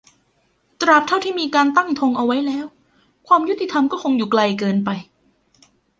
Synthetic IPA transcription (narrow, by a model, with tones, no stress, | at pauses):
t̪ɾa˨˩p̚t̪ʰa˥˩wt̪ʰiː˥˩miː˧kaː˧nt̪a˥˩ŋt̪ʰo˧ŋʔa˧wa˦˥jlɛː˦˥˩w | kʰwaː˧mju˥t̪ːi˨t̪ʰa˧mkɔː˥˩kʰo˧ŋjuː˨˩kla˧jkɤː˧npa˧j